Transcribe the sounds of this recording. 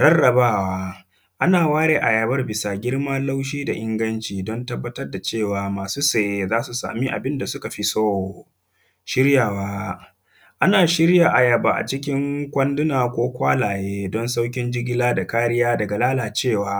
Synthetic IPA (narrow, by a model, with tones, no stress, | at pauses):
ɽɐ˦rːɐ˨baː˦˨waː˦ | ʔa˦naː˨waː˦ɽeː˨ʔa˨jɐ˨bɐ˦rbɪ˨saː˨ɡʲɪ˦ɽmaː˦la˦wʃ̬iː˦da˨ʔɪ˦ŋɡɐ˦nt͡ʃiː˨dɔ˦ntɐ˦bːɐ˦tɐ˦rda˨t͡ʃeː˦˨waː˨maː˨suː˦se˦˨je˨zaː˦su˨sa̰ː˨mi˦ʔa̰˨bɪ˦nda˨sʊ˦ka˨ɸi˦so˦˨ | ʃɪ˦ɾjaː˨waː˦ | ʔa˦naː˨ʃɪ˦ɾja˨ʔa˨jɐ˨baː˨ʔa̰˨t͡ʃɪ˦k̬ʲɪ˦ŋkʷɐ˦ndʊ˦naː˨kʷoː˦kʷaː˦laː˨jeː˦dɔ˦nsa˦wkʲɪ˦nd͡ʒɪ˦ɡʲɪ˦laː˦da˨kaː˦ɾɪ˦jaː˦dɐ˨ɡa˨laː˦laː˨t͡ʃeː˦˨waː˨